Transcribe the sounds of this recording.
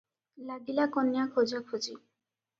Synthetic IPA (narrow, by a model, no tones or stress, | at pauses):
lad̪ilakɔnːjakʰod͡ʑakʰut͡ɕi